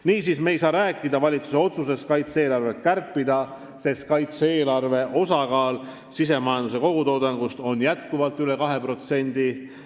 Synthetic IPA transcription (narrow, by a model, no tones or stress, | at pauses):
niːsisme̞jsɑːɾæːkːˑid̪ɑvɑlʲit̪su̥se̞o̞t̪suse̞skɑjt̪se̞ːlɑrvet̪̚kærpːid̪̥ɑ | se̞skɑjt̪seːlɑrve̞ʔo̞sɑkɑːl | sis̬e̞mɑjɑnd̪use̞ko̞ɡ̥ut̪oːd̪ɑŋɡ̥ust̪o̞njæt̪kuvɑlt̪ːˑyle̞kɑɦe̞pro̞t̪se̞nʲd̪̥i